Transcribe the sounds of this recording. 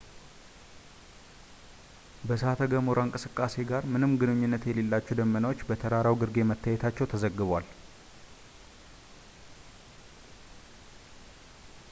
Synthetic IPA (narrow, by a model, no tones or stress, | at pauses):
bəsəat̪ʰəɡəmoɾaŋkʼɨsɨkʼːase̞ɡaɾmɨnɨmɡɨnɨɲːunːət̪jɛle̞lːat͡ʃːɛd̪əmːənawo̞t͡ʃːbət̪ʰəɾaɾawɡɨɾɡe̞mət̪ʰːajɛt̪ʰat͡ʃːɛwt̪ʰəzəɡːɨβwal